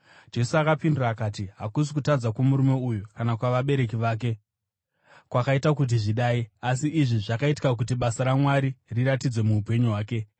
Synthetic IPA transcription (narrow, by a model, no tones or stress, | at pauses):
d͡ʒe̞suakapindiraːkaːtiɦakus̬ikutad͡zakwomuɾume̞ujukanakwaʋaɓe̞ɾe̞k̬iʋaːk̬e̞ | kwakaitakut̬iʐiɗaːiasiʔːʐiʐakaiti̥kak̬ut̬iɓasaɾamwaɾiriɾatid͡zwe̞muupe̞ɲuɦwaːke̞